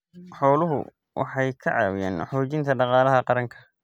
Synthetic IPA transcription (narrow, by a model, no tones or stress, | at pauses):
ħɔːlʊɦʊ̰ | wʔɑ̰ħɑjkʰɐʕɑ̰ːwja̰ːnħɔːt͡ʃɪnt̪ʰɐɖɑqɑːlɐɦɐqɑɾɐŋkʰɐ̥